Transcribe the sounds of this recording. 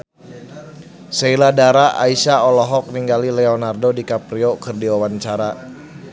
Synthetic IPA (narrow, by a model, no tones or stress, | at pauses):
seiladaɾaʔaisaɔlɔɦɔk̚niŋɡalilɛɔnardodikapɾiokɨrdiwawaɲt͡ʃaɾa